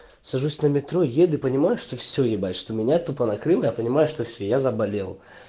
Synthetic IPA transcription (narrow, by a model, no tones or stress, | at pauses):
sɐʐusʲnəmʲɪt̪ɾojed̪ʊɪpənʲɪmajʊʂt̪o̞fsʲɵjɪbalʲʂt̪omʲɪnʲat̪opənɐkɾɨlˠjapənʲɪmajʊʂt̪ofsʲojazəbɐlʲelˠ